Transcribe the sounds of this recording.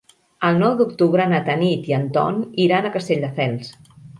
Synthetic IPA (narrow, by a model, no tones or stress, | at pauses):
əlˠnɔwd̪ukt̪uβɾənət̪ənit̪iənt̪ɔ̰niɾanəkəst̪eʎʲd̪əfɛlˠs